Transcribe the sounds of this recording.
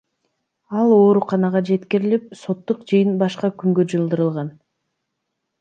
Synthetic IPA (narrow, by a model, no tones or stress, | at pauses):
ɑlˠo̞ːɾuqɑnɑʁɑd͡ʒe̞t̪kiɾilip̚so̞t̪ːuqd͡ʒɯjɯnbɑʃqɑkyŋɡød͡ʒɯlˠd̪ɯɾɯlˠʁɑn